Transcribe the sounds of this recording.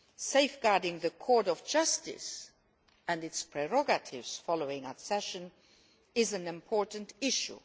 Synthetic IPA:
seɪfɡ̥aɹdɪ̃ŋðəkʰɔɹɾɔvd͡ʒʌstɪ̰s | æ̃ndɨtspʰɹ̥ɛɹɔɡətʰɪ̰vz̥fɑloʊɪ̃ŋətsɛʃə̃n | ɪzɨ̃nɨ̃mpʰɔɹʔn̩tɪʃṵ

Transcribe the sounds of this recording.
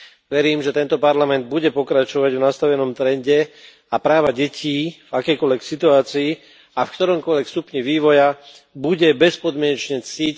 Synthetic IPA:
ʋɛɾiːmʒɛt̪ɛnt̪ɔpaɾlamɛnd̪̚buɟɛpɔkɾat͡ʃɔʋaɟvnast̪aʋɛnɔmt̪ɾɛnɟɛ | apɾaːʋaɟɛcʰiːvakɛjkɔlʋɛksit̪uaːt͡siː | afkt̪ɔɾɔmkɔlʋɛkst̪upɲiʋiːʋɔja | buɟɛbɛspɔd̪mɪɛɲɛt͡ʃɲɛt͡sic

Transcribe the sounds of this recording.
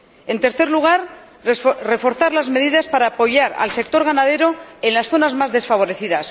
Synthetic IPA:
e̞nt̪e̞ɾθe̞ɾluɣ̞aɾ | re̞fo̞ɾθaɾlazme̞ðiðaspaɾaːpo̞ʝaɾa̰lse̞k̚t̪o̞ɾɣanað̞e̞ɾo̞enlasθo̞nazmazðe̞sfaβ̞o̞ɾe̞θiðas

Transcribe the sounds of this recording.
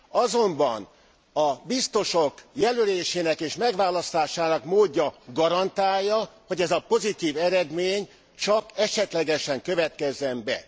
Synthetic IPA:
ɒzo̞mbɒ̰n | ɒbist̪o̞ʃokjɛløleːʃeːnɛkeːʃmɛɡʋaːlɒst̪aːʃaːnɒkmoːɟːɒɡɒɾɒnt̪aːjːɒho̞ɟɛzɒpo̞zit̪iːvɛɾɛd̪meːɲ | t͡ʃɒkɛʃɛt̪lɛɡɛʃɛŋkø̞vɛt̪̚kɛzːɛmbɛ̰

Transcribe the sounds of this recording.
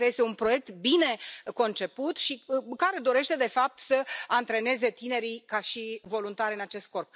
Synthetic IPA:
ɾeje̞st̪eunpɾo̞je̞k̚t̪bine̞ko̞nt͡ʃe̞put̪ʃikaɾe̞d̪o̞ɾe̞ʃt̪e̞d̪e̞fap̚t̪səant̪ɾe̞ne̞ze̞t̪ine̞ɾikaʃivo̞lunt̪aɾʲɨnat͡ʃe̞st̪̚ko̞rp̚

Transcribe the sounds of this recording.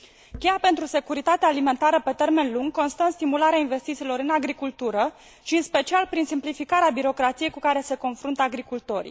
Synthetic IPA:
kʲejape̞nt̪ɾuse̞kuɾit̪at̪eaːlime̞nt̪aɾəpe̞t̪e̞rme̞nluŋɡko̞nst̪ənst̪imulaɾeainve̞st̪it̪silo̞ɾɨnaɡɾikult̪uɾə | ʃiɨnspe̞t͡ʃialpɾinsimplifikaɾeabiɾo̞kɾat̪sijejkukaɾe̞se̞ko̞nfɾunt̪əaɡɾikult̪o̞ɾḭ

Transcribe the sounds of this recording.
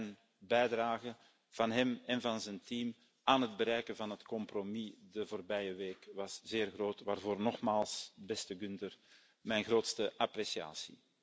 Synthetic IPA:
n | bɛjdraːɣə | v̥ɑnɦɛmɛnvɑnzɛntiːm | aːnɦədbəɾɛjkənvɑnɦətkɔmpromidəvoːrbɛjəʋeːkʋɑsz̥eːrɣroːtʋaːrvoːrnɔxmaːlˠsbɛstəɡyntər | mɛjnɣroːtstəʔapresia̰ːsḭ

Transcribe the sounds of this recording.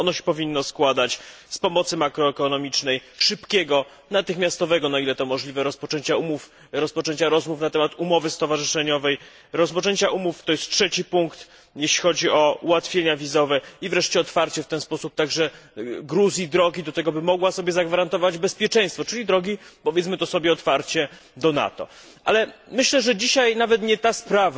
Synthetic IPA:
ɔnɔɕɛ̥pɔvʲinːɔskwad̪at͡ɕspɔmɔt̪sɘmakɾɔɛkɔnɔmʲit͡ʂnɛjʂɘpkʲɛɡɔ | nat̪ɘxmʲjast̪ɔvɛɡɔnailɛt̪ɔmɔʐlʲivɛɾɔspɔt͡ʂɛɲt͡ɕaumuf | ɾɔspɔt͡ʂɛɲt͡ɕaɾɔzmufnat̪ɛmat̪umɔvɘst̪ɔvaʐɘʂɛɲɔvɛj | ɾɔspɔt͡ʂɛɲt͡ɕaʔumuft̪ɔjɛst̪tʂɛt͡ɕipuŋkt̪ | jɛɕlʲixɔd͡ʑiʔɔuwat̪fʲjeɲavʲizɔvɛivɾɛʂt͡ɕɛɔt̪faɾt͡ɕɛft̪ɛnspɔsup̚t̪aɡʐɛɡɾuzʲjid̪ɾɔɡʲid̪ɔt̪ɛɡɔbɘmɔɡwasɔbʲjɛzaɡvaɾant̪ɔvad͡ʑbɛspʲjɛt͡ʂɛ̃j̃st̪fɔt͡ʂɘlʲid̪ɾɔɡʲipɔvjɛt̪smɘt̪ɔsɔbʲjɛɔt̪faɾt͡ɕɛ | d̪ɔna̰t̪ɔ̰ | ʔalɛmɘɕlɛʐɛd͡ʑiɕajnavɛt̪ɲɛt̪aspɾav

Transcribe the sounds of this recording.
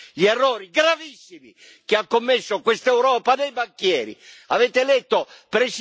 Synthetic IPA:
ʎiɛrːoːɾiɡɾavisːimi | k̟ɪakːomːesːokwest̪ɛwɾɔːpad̪ejbakːjɛːɾḭavɛːt̪elɛt̪ːopɾɛs

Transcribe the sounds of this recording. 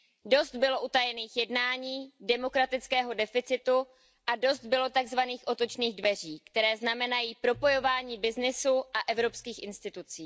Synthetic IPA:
do̞st̪bɪlo̞ʔut̪ajɛniːxjɛdnaːɲiːdɛmo̞kɾat̪ɪt͡skɛːɦo̞dɛfɪt͡sɪt̪u | ʔado̞st̪̚bɪlo̞t̪aɡzvaniːxʔo̞t̪o̞t͡ʃniːɣdvɛr̝iːkt̪ɛɾɛːznamɛnajiːpɾo̞po̞jo̞vaːɲiːbɪznɪsuʔaʔɛvɾo̞pskiːxʔɪnst̪ɪt̪ut͡siː

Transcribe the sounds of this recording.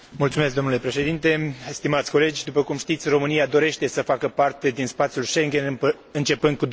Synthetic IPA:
mult̪sumesk̚d̪o̞nule̞pɾe̞ʃe̞d̪int̪e̞st̪imat̪sʲko̞le̞d͡ʒʲd̪upəkumʃt̪it̪sʲro̞mɨniad̪o̞ɾe̞ʃt̪e̞səfakəpart̪e̞d̪inspat̪sʲjulʃe̞ŋɡʲe̞np | ɨnt͡ʃe̞pɨnd̪̚kud̪

